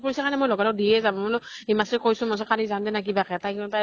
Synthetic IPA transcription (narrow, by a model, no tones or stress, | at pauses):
pɔɹisakanɛmojlɔɡalɔdiɛzabnɔemaskojsʊmasɔkalizandɛnak̬ibakɛtajkinɔta